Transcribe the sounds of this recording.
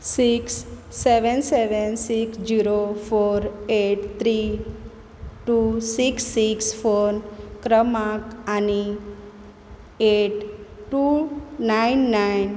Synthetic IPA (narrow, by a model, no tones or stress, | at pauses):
siksːeʋɛnseʋɛnsiksd͡ʑiɾofoɾeʈt̪ʰɾi | ʈusiksːiksfoɾnkɾəmakani | eʈʈunajnːajn